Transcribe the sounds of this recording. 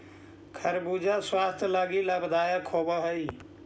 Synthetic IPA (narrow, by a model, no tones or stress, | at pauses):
kʰəɾbud͡ʒʱaswast̪ʰlaɡiləbd̪aːjəkʰobəɦəi